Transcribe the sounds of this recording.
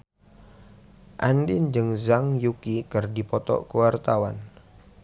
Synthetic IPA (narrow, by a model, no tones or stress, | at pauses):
ʔandɪnd͡ʒɨŋzaŋjukikɨrdipɔt̪ɔ̰kuwart̪awan